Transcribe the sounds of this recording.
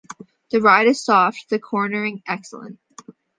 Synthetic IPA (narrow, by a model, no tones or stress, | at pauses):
ðɨɹaɪɾɨz̥sɔft̚ðɨkʰɔɹnə˞ɪ̃ŋʔɛksl̩ˠə̰̃nt̚